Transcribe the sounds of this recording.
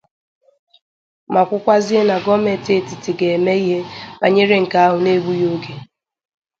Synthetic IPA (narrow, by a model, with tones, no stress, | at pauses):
ma˨kʷʊ˦kʷa˦zi˦e˦na˨ɡɔ˦me˨te˦˨ti˨ti˨ɡe˨e˨me˦i˦ɦe˦pa˨ɲe˦ɾe˦ŋ̩˨ka˦a˦ɦʊ˨ne˦ɡʷu˦jo˦ɡe˨